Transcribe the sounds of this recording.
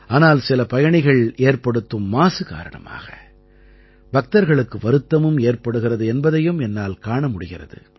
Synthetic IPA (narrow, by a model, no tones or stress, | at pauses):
aːnaːlsɪlɐpɐjɐɳɪɣɐɭeːɾpɐɽɯt̪ːɯmːaːsɯka̰ːɾɐɳɐ̰ma̰ːɣɐ̰ | bɐk̚t̪ɐɾɣɐɭɯkːɯʋɐɾɯt̪ːɐmɯmeːɾpɐɽɯɣɪrɐðɯɛnbɐðɐjɯmɛnːaːlkaːɳɐmʊɽɪɣɪrɐ̰ðɯ̰